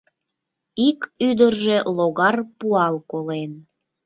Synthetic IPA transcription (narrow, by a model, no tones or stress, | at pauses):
ikyd̪ərʒeloɣɑrpuɑlkolen